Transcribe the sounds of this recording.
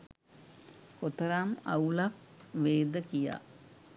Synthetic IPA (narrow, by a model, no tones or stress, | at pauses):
kot̪əɾama̰ulak̚ʋeːd̪əkija̰ː